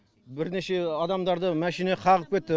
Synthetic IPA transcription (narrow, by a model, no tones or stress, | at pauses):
bɪɾne̞ʃe̞ɑd̪ɑmd̪ɑɾd̪əmæʃineqʰɑʁəp̚kʲe̞t̪ːɪ